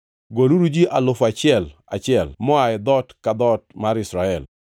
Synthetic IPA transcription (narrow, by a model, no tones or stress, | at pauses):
ɡoluɾud͡ʒiʔalʊfat͡ʃɪɛla̰t͡ʃɪɛlmɔaɛd̪ɔtkad̪ɔt̚maɾɪsɾaɛl